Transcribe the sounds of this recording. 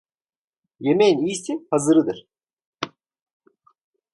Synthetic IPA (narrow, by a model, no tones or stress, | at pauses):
jemenijsinhazɯɾɯd̪ɯɾ̥